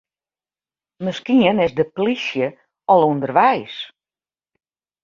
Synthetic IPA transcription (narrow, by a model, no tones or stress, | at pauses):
məskiənɪsdəplisjə | ɔlˠundərʋɛjs